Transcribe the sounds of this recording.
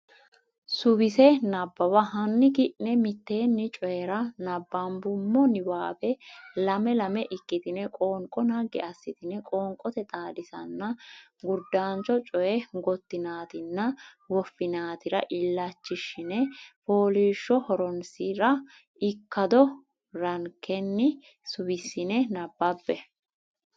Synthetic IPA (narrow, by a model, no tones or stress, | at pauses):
sʊbɪsɛnɐbːɐwɐɦɐnːɪkɪʔnɛmɪt̪ːe̞ːnːɪt͡ʃʼɔjɛɾɐnɐbːɐmbʊmːɔnɪwaːbɛlɐmɛlɐmɛʔɪkʼːɪt̪ɪnɛkʼoːŋkʼːɔnaɡɛ̰ɐsːɪt̪ɪnɛkʼoːŋkʼɔt̪ɛt̪ʼaːd̪ɪsɐnːɐɡʊɾd̪ːaːnt͡ʃɔt͡ʃʼɔjɛɡɔt̪ːɪnaːt̪ɪnːɐ | wɔfːɪnaːt̪ɪɾɐʔɪlːɐt͡ʃːɪʃɪnɛpoːliːʃːɔhɔɾɔnsɪɾɐ | ɪkːɐd̪ɔ | ɾɐŋkːɛnːɪ | sʊwɪsːɪnɛnɐbːɐbːɛ